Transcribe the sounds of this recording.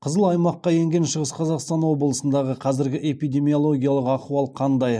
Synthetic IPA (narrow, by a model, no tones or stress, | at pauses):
qʰəzəlˠɑjmɑqːɑje̞ŋɡʲe̞nʃəʁəsqʰɑzɑqst̪ɑnwo̞blˠəsənd̪ɑʁəqʰɑzɪɾɡʲɪʔe̞pijd̪e̞mijo̞lˠo̞ɡʲijɑlˠəqɑquɑlˠqʰɑnd̪ɑj